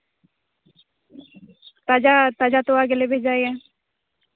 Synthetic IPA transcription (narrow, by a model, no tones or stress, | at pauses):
t̪ad͡ʒat̪ad͡ʒat̪oaːɡelebʱeːd͡ʒaːeɛ̃ː